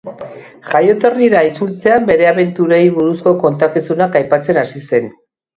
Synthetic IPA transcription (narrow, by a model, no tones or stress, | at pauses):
ʝajo̞t̪o̞riɾait͡sult͡se̞ambe̞ɾe̞aβe̞nt̪uɾejβuɾusko̞ko̞nt̪akisunakajpat͡se̞nasise̞n